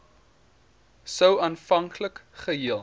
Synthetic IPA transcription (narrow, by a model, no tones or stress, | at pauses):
səwɑːnfɐŋkʰləkχəɦiəlˠ